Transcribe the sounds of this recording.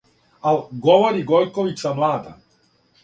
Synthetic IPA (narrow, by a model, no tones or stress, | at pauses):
alɡoʋoɾiɡolkoʋit̪samlˠaːd̪a